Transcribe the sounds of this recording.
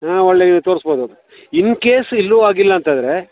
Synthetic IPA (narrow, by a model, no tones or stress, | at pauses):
aːɔɭːeːɡt̪o̞ːɾsboːd̪u | inːkeːsilːuaːɡilːɐːnt̪ɐnd̪ɾe